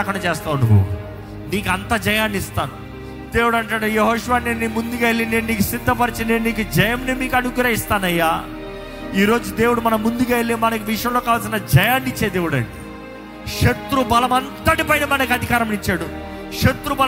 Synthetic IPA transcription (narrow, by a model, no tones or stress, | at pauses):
ɐkɐɳut͡ʃeːst̪aːwunːuɦṵ | niːkuɐnt̪ad͡ʒɐjaːnist̪aːnu | d̪̥eːwuɽɐɳʈaːɽujeɦoːʃuʋaːnennːiːmund̪uɡalineːnniːkusid̪ʱːɐpɐɾit͡ʃinenniːkud͡ʒɐjɐmnimiːkɐnuɡɾɐist̪aːnɐjːaː | iːɾo̞ːd͡ʒud̪eːwuɽumɐnɐmːund̪uɡaelemɐnɐkiʋiʂjɐmloːkaːʋɐlsinɐd͡ʒɐjaːnːit͡ʃːeːd̪eːʋuɽɐ̰ɳɖi | ʂɐt̪ɾubɐlɐmɐnt̪ɐʈipɐjnɐmɐnɐkiɐd̪ʱikaːɾɐmnit͡ʃːaːɽu | ʂɐt̪ɾubɐ